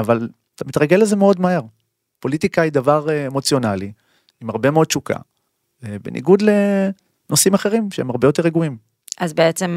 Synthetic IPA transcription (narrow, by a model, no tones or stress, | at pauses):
aval | t̪amit̪ʁaɡeleze̞meo̞dmahe̞ʁ | po̞lit̪ikajid̪avaʁemo̞t͡sjo̞nali | imaʁbe̞meo̞d̪̚t͡ʃuka̰ | benʔḭɡud̪le̞ | no̞simaχe̞ʁimʃeemaʁbejo̞t̪̬e̞ʁeɡuim | ʔazbeet͡sem